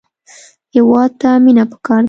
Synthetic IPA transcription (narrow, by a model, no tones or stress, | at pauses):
hewɑd̪̚t̪aminapə̥kɑɾd̪